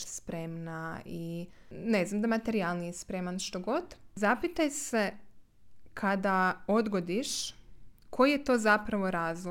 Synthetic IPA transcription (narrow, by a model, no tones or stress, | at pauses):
spɾemnaine̞znamd̪amat̪e̞ɾialˠnijespɾe̞manʃt̪o̞ɡo̞d̪zapit̪ajse | kʰad̪ao̞d̪ɡo̞d̪iʃ | kʰo̞jjet̪o̞ːzapɾaʋo̞ɾaːzl